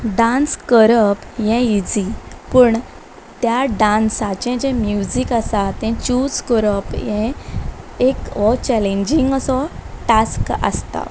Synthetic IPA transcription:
ɖãnskəɾəpjɛ̃id͡zipəɳ | t̪jaɖãnsãt͡ɕɛ̃d͡ʑɛ̃mjud͡ʑikasat̪ɛ̃t͡ɕud͡zkəɾəpjɛ̃ | ekɔt͡ɕɛlẽɲd͡ʑiŋɡəsɔʈaskə̰st̪a̰

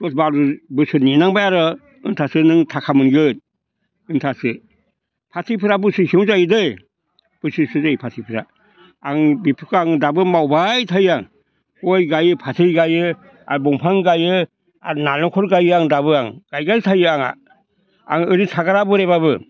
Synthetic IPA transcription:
dɔt̚baɾubɯsɯninaŋbajaɾɯ | ɯntʰasɯnɯŋtʰakʰamɯnɡɯt̚ | ɯntʰasɯ | pʰatʰipʰɯɾabɯsɯsiŋzajɯdɯj | b̥ɯsɯsuzajpʰatʰipʰɯɾa | aŋbipʰɯkʰaŋdabɯmawbajtʰajaŋ | ojɡajɯpʰatʰɯjɡajɯ | a̰ɾbɔŋpʰaŋɡajɯ | a̰ɾnalɔkʰɔɾɡajɯaŋdabɯaŋɡ̥ajɡajtʰajɯaŋa̰ | a̰ŋɯɾitʰaɡaɾabɯɾeβabɯ

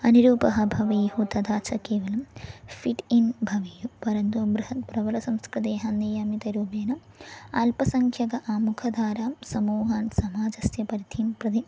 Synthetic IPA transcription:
ɐniɾuːpɐɦɐbʱɐʋɐjhut̪ɐd̪ʱaːt͡ʃʰɐkeːʋɐlɐmfiʈinbʱɐʋijupɐɾɐnd̪oːbɾuhɐt̪̚bɾɐʋɐlɐsɐmskɾɨt̪̬eːɦɐnːijaːmit̪ɐɾuːbeːnɐm | aːlpɐsɐŋkʰjɐɡɐʔaːmukʰɐd̪ʱaːɾaːmsɐmuːɦaːnsɐmaːd͡ʒɐsjɐpɐɾit̪ʰiːmpɾɐd̪i

